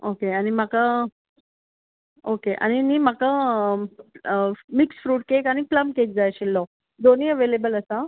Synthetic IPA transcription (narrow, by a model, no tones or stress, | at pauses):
okeañim̤aka | okeʔa̰ñinim̤aka | miksfɾuːʈ̚kekaɽ̃ipləmkek̚d͡zajɕilːɔ | d̪oniəʋelebələsa